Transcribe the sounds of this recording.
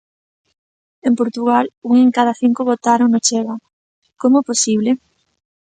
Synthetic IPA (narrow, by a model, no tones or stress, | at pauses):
empoɾt̪uɣaluŋeŋkað̞aθiŋkoβot̪aɾoŋnot͡ʃeɣa | komʊɛposiβ̞le